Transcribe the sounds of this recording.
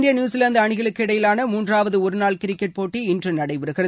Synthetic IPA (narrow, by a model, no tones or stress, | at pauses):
d̪ɪjɐnjuːsɪlɐnd̪ɯɐɳɪɣɐɭɯkːɯɪɽɐjɪlaːnɐmuːndraːʋɐðɯɔɾɯnaːɭkɪɾɪkːɛʈ̚poːʈːiɪndrɯnɐɽɐɪpɛɾɯɣɪrɐ